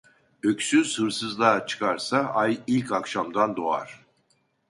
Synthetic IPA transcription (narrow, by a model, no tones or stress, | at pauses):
øcsyz̥hɯɾsɯzlˠat͡ʃʰɯ̥kʰaɾsaʔajilʲcʰakʃamd̪and̪o̞a̰ɾ̥